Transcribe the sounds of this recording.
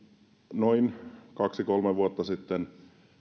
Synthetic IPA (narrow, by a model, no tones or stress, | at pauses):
noinkɑksikolmeʋuot̪ːɑsit̪ːen